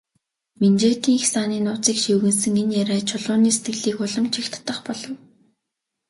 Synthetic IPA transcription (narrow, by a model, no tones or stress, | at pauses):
ment͡ɕeːt̪iːŋixsaːniːnʊːt͡siːkʃiwɣɘ̆nsɘ̆ŋenjæɾæːt͡ɕʰʊɮʊːniːse̥t̪ɡɘ̆ɮiːkʊɮɞ̆mt͡ɕʰixt̪ʰt̪ə̆χpɔɮɞ̆w